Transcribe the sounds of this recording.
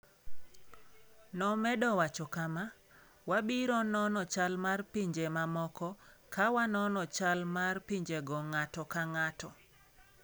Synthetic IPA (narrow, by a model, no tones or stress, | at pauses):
nɔmɛdɔwat͡ʃɔkama | wabiɾɔnɔnɔt͡ʃalmarpiɲd͡ʒemamɔkɔkʰawanɔnɔt͡ʃalmarpiɲd͡ʒeɡɔŋatɔkaŋatɔ